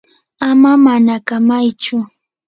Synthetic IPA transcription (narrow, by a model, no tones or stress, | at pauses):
amamanakamajt͡ʃʊ